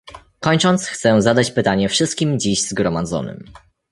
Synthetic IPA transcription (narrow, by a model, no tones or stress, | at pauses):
kɔɲt͡ʂɔnt̪sxt̪sɛzad̪at͡ɕpɘt̪aɲɛfʂɘst̪̚kʲimd͡ʑiɕzɡɾɔmad̪zɔ̰nɘ̰m